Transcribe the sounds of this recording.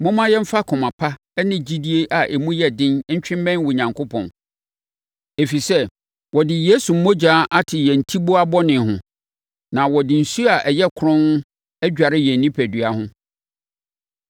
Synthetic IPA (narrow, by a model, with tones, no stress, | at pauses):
mʊ̃˦mã˦jɛ˦m̩˦fa˦kʰʊ̃˨mã˨pʰa˦ | ɛ˦nɪ̃˨d͡ʑi˦di˦e˦ʔa˨ʔe˨mũ˦jɛ˦dɪ̃˦n̩˦t͡ɕᶣɪ̃˦m˦bɛ̃˦n˦wɔ˨ɲã˨ŋkʰo˦pʰɔ̰̃˨n | e˨fi˨sɛ˦ | wɔ˨dɪ˨jeː˦su˨m̩˦mɔ̃˦d͡ʑaː˨˦ʔa˦tʰɪ˨jɛ˨n̩˨tʰi˦bo˦a˦bɔ˦nɪ̃˨ɦʊ̃˨ | nã˨wɔ˨dɪ˨n̩˨su˦a˨ʔɛ˨jɛ˦kʰʊ˦ɾʊ̃˦n˦ | æ˦d͡ʑᶣa˨ɾɪ˦jɛ˨n̩˨nĩ˦pʰæ˨dɥa˦hʊ̃˦